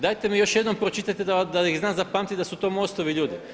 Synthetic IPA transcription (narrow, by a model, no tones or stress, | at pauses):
d̪ajt̪emijo̞ʃjed̪nompɾot͡ʃit̪at̪ed̪ad̪aixznaːzapaːmt̪id̪asut̪o̞ːmo̞st̪oʋiʎuːd̪i